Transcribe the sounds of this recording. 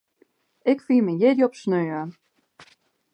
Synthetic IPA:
ɪkfiːməjɪdjɔpsnøːə

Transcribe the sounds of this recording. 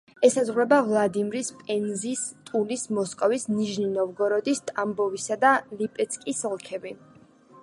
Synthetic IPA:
ɛsazʁwɾɛbavlˠad̪imɾispʼɛnzist̪ʼulismɔskʼɔvisniʒninɔvɡɔɾɔd̪ist̪ʼambɔvisad̪alipʼɛt̪sʰkʼisɔlˠkʰɛbi

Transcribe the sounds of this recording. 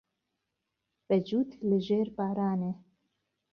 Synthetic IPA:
b̥ɛd͡ʒuːt̪lɨʒeːɾbaːɾaːne

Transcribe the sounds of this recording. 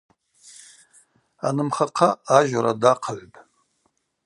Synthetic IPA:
a̰nɨmχaqʰaaʒʷaɾadaqʰaʕʷpʼ

